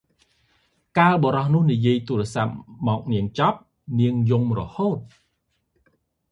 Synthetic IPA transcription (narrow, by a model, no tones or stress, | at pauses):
kaːlɓɔɾɑhnʊ̆əhnijiəjt̪uəɾeəsap̚mɔːk̚niəŋt͡ɕɑp̚ | niəŋjumrɔhoːt̪̚